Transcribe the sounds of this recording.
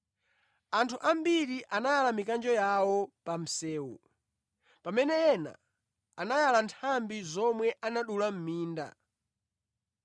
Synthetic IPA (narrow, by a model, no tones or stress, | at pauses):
antʰuʔambiɾiʔanajalamikand͡ʒɔjawɔpam̩sɛːwṵ | pamɛnɛjɛna̰ | anajalantʰambizɔmwɛʔanaɗulam̩miːnda̰